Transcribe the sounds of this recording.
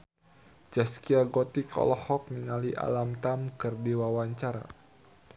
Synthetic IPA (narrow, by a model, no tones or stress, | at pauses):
d͡ʒaskiaɡɔt̪ikʰɔ̰lɔhɔk̚niŋaliʔa̰lamt̪amkɨrdiwawaɲt͡ʃaɾa̰